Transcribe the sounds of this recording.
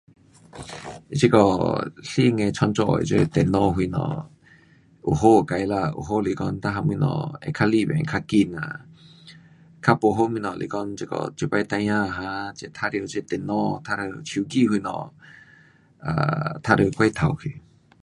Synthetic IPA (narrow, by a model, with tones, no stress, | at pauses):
i˦˨t͡ʃi˦˧kɔ˧˨ɬi˦ŋɛ˧t͡ʃʰɔ˧nt͡ʃɔ̰˧˨ḭ˧t͡ʃe˧t̪ɛ˨nɔ˧ɦu˧nɔ̰˨ | u˨ɦo˦˨ka˨jla˧ṵ˨˧ɦo˦li˨kɔ˧nt̪a˦ɦa˧mi˧nɔ̰˨ɛ̰˧kʰa˧li˧bɛ̰̃˨ŋkʰa˧ki˧na̰˨ | kʰa˧po˧ɦo˦mĩ˧nɔ˨lḭ˨kɔ˧˦nt͡ʃi˧kɔ̰˧˨t͡ʃi˧kwa˧jt̪a˧jã˧˨ɦa˧t͡ʃɛ˧˨t̪ʰa˦˧ɾi˧˨t͡ʃe˧t̪ɛ˨nɔ˧t̪ʰa˧ɾə˧t͡ɕʰi˧˨ki˧˨hu˧˨nɔ̰˨ | a̰˨t̪ʰa˦˥ɾə˧kwa˧jt̪ʰa˨wkʰi˨